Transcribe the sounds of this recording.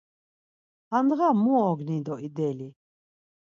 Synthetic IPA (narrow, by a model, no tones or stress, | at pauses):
and̪ɣamuɔɡnid̪ɔid̪ɛli